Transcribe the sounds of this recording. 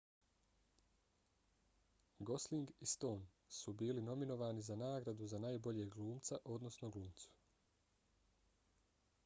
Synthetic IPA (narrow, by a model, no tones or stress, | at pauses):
ɡo̞sliŋɡist̪o̞ːn | subiːlino̞mino̞ʋaːnizanaːɡɾad̪uzanaːjbo̞ʎeːɡlˠuːmt̪saʔo̞d̪no̞snoɡluːmt̪su̥